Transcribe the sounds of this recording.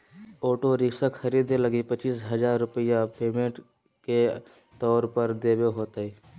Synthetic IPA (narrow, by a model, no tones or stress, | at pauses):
oːʈoɾɪksəkxəɾiːd̪eləɡipət͡ʃiːsɦəd͡ʒaːɾːʊpəjapeːmẽʈ | ke | t̪ɔːɾpəɾd̪eːbeɦoːt̪ai